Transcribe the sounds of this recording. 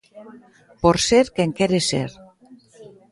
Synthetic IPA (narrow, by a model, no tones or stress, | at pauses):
poɾseɾkeŋkeɾesḛɾ